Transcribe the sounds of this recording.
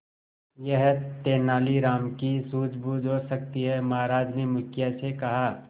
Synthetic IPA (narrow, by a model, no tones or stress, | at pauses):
jɐɦt̪eːnaːliɾaːmkisuːd͡ʒʰbud͡ʒoːsɐk̚t̪iɦɛmɐɦaːɾaːd͡ʒnemʊkʰjasekɐɦaː